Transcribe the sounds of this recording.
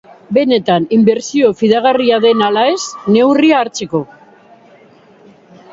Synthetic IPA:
be̞ne̞t̪animbe̞ɾsio̞fiðaɣariaðe̞nalae̞sne̞wriaːɾt͡seko̞

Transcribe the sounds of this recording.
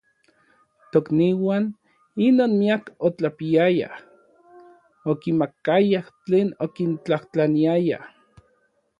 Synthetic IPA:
t̪okniwaːn | inoːnmiakot͡ɬapiaja̰h | okimakajaht͡ɬeːnokint͡ɬaht͡ɬaniaja̰h

